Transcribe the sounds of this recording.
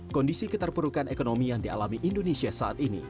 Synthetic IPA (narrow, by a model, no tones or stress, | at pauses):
kɔndisikət̪ərpəɾukanekonomijaŋdia̰lamiʔindonesiasaʔa̰t̪inḭ